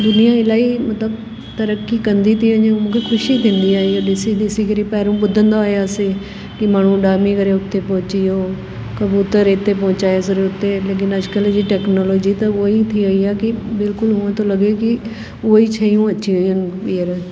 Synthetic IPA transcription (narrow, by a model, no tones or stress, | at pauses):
d̪ʊnijãɪlaːimɐt̪ləb | t̪ɐɾəkːikɐ̃nd̪it̪ʰiɐ̃ɲẽmũːkʰexʰʊʃit̪ʰĩːnd̪iaːioɗɪsid̪ɪsikəɾipɛːɾũɓʊd̪ʱə̃nd̪aːjase | kimaːɳ̤ũɖaːɾmikɐɾeʊt̪ːepɔɦʊ̃t͡ʃiɦoː | kɐbjuːt̪əɾet̪ːepɔ̃ɦʊ̃t͡ʃaːesɪɾeʊt̪ːeleːk̬ɪnɐd͡ʒkəld͡ʑiʈɛːknoːloːd͡ʒit̪ɐʊoit̪ʰiʋɐiaːkibɪlkʊlɦʊə̃t̪olɐɡeki | ʊoit͡ʃʰɐːijũɐʃiʋiʊnbiːəɾ